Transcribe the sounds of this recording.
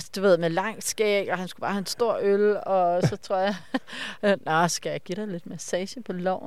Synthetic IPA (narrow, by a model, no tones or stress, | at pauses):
sd̥uʋe̝ð̰ˠmelɑ̈ŋ̰sɡ̥ɛːɡ̥ɐhænsɡ̥ub̥ɑ̈hæensd̥o̝ɐ̰ølɒ̽sɒ̽t͡sʰʁo̝ɐ̰jɑ̈ | nɒsɡ̥æjɑ̈ɪɡ̥iɾ̥ɑɪle̝d̥mæsɛːɕəpʰɒ̽lɒ̰ʊ̰n